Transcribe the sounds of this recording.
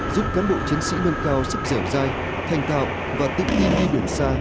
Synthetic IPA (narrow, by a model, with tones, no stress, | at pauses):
zu˦˥p̚kaː˨˦˥nɓo̰˧˨t͡ɕi˨˦ənsḭ˧˥mə˧nkaː˧wsɨ˦˥p̚zəː˧˩wzaː˧j | t̪ʰa˨˩jŋ̟t̪a̰ː˧˨w | vaː˨˩t̪ï˧˩ŋt̪i˧nɗi˧li˧˩ənsaː˧